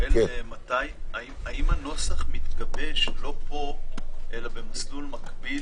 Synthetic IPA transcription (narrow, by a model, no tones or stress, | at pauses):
elmat̪ajaimaimhano̞saχmit̪ɡabe̞ʃlo̞po̞ʔe̞labe̞maslulmakbi